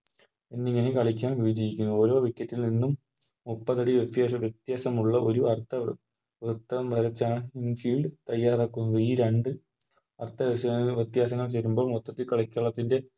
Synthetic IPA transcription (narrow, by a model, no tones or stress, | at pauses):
enːiŋːɐnekɐɭikʲːaːnʋiʋɐd͡ʑɐjikʲːunːuo̞ːɾo̞ːʋikʲːɐtːilninːum | mupːɐðɐɽiʋet̪jaɐʋjet̪jaːsɐmuɭːɐʔo̞ɾuɐrt̪ʰɐ | ʋrɨt̪ːɐɐmʋʱɐɾɐt͡ɕːaːɳɨinfiːɭɖɨt̪ɐjːaːraːkːunːɐðɨiːɾeɳɖɨ | ɐrt̪ʰːɐʋeɐʋjɐt̪jaːs̬ɐŋːɐɭt͡ɕeɾumbo̞ːɭmot̪ːɐt̪ːilkɐɭɐkʲːaːɭɐt̪ːinde̞